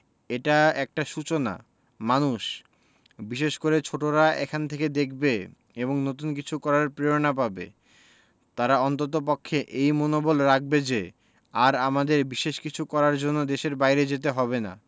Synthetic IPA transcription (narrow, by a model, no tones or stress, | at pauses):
eʈaɛk̚ʈaʃut͡ɕona̰ | manuʃ | biʃeʃkoɾet͡ɕʰoʈoɾaekʰant̪ʰeked̪ek̚ʰbe | eboŋnot̪̬unk̬it͡ɕʰukɔɾaɾpɾeonap̬abḛ | t̪aɾaɔnt̪ot̪̬op̬okʰːeʔejmonobolɾak̚bed͡ʑe | aɾamad̪eɾbiʃeʃkit͡ɕʰukɔɾaɾd͡ʑonːod̪eʃeɾbajɾed͡ʑet̪̬eɦɔbena̰